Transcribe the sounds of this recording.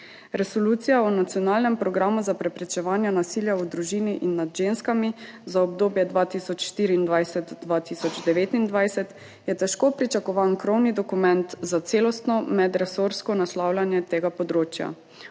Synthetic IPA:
ɾɛsɔluːt̪sijaɔnat̪siɔnaːlnɛmpɾɔɡɾamuzapɾɛpɾɛt͡ʃɛʋaːnjanasiːljaud̪ɾuʒiːniʔinːad̪ʒenskamizaɔbd̪oːbjɛd̪ʋaːt̪iːsɔt͡ʃʃt̪iːɾiːnd̪ʋajsɛt̪d̪ʋaːt̪iːsɔd͡ʒd̪ɛʋeːt̪ind̪ʋajsɛt̪ | jɛt̪ɛʃkoːpɾit͡ʃakɔʋankɾɔwnid̪ɔkumɛnt̪zat̪seːlɔst̪nɔmɛd̪ɾɛsoɾskɔnaslaːwlʲanjɛt̪eːɡapɔd̪ɾoːt͡ʃja̰

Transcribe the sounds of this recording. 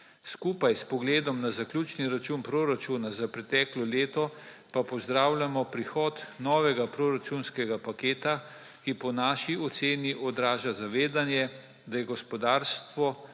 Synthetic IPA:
skuːpajspɔɡleːd̪ɔmnazaklʲuːt͡ʃniɾat͡ʃuːnpɾoɾat͡ʃuːnazapɾɛt̪ɛːklɔleːt̪ɔpapɔzd̪ɾaːwlʲamɔpɾixɔːt̪nɔːʋɛɡapɾoɾat͡ʃunskɛɡapakeːt̪a | kipɔnaːʃiɔt̪seːniʔɔd̪ɾaːʒazaʋeːd̪anjɛ | d̪ajɛɡɔspɔd̪aːɾst̪ʋɔ

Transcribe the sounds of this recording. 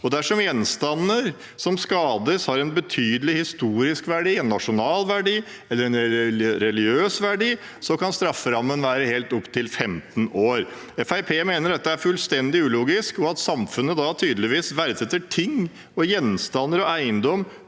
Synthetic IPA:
ɔd̪æʂɔmjɛnst̪ɑnːəɾ | sɔmskɑːd̪əshɑɾɛnbət̪ʰyːd̪əlɪhɪst̪uːɾɪskʋæɖiːɛnːɑʂʊnɑːlʋæɖiː | ɛlːəɾɛnɛɾɛlɪɡjøːsʋæɖiː | sɔkɑnst̪ɾɑfːəɾɑmːənʋæːɾəheːlt̪ɔpt̪ʰɪlfɛmt̪noːɾ | ɛfæɪpʰeːmeːnəɖɛt̪ːəæɾfʉlst̪ɛnd̪ɪʉːluːɡɪskɔɑt̪sɑmfʉnːəd̪ɑt̪ʰyːd̪lɪʋiːsʋæɾsɛt̪ːəʈʰɪŋː | ɔjɛnst̪ɑnːəɾɔæɪənd̪ɔmː

